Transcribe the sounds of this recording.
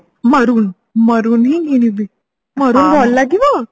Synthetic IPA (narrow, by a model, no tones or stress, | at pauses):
məɾuːn | məɾuːnɦĩŋɡiñibi | məɾuːnbʱɔllaɡiʋa